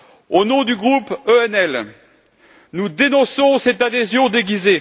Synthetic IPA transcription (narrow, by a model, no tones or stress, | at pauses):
onɔ̃d̪yɡʁupøɛnɛl | nud̪enɔ̃sɔ̃sɛt̪ad̪ezjɔ̃d̪eɡʲize